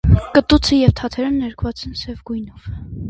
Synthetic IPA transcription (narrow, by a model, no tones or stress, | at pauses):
kət̪ut͡sʰəjɛvt̪ʰɑt̪ʰɛɾənːɛɾkvɑt͡sɛnsɛvɡujnɔv